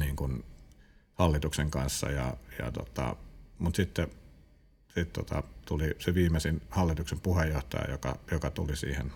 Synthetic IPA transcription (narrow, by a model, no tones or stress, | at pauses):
niːŋkun | hɑlːit̪ukseŋkɑnsːɑ̰jɑ̰jɑ̰t̪o̰t̪ɑ̰mut̪sit̪ːe | sit̪t̪ot̪ɑ̰t̪uliseʋiːmesinhɑlːit̪uksempuhejjoht̪ɑ̰jɑ̰jokɑ̰jokɑt̪ulisḭːhḛn